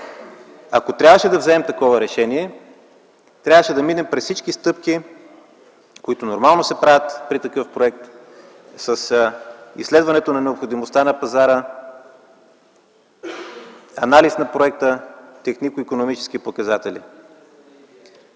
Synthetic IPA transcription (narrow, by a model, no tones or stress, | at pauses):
ɐkot̪ɾʲabvəʃɛd̪ɐvzɛɛmt̪ɐkɔvɐɾɛʃɛniɛ | t̪ɾʲavəʃɛd̪ɐminɛmpɾɛssit͡ʃkist̪ɤpki | koit̪onoɾmalˠnosɛpɾavʲət̪pɾit̪ɐkɤfpɾoɛk̚t̪ | sɐsḭslɛd̪vɐnɛt̪onɐnɛopxod̪imost̪anɐpɐzaɾə | ɐnalisnɐpɾoɛk̚t̪ət̪ɛxnikʊikonomit͡ʃɛ̥skipokɐzat̪ɛlʲḭ